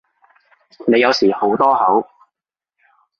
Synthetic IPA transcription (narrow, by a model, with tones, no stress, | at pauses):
ne˨˧jɐ˨˧wsiː˨˩ho˨˥wt̪ɔː˥hɐ˨˥w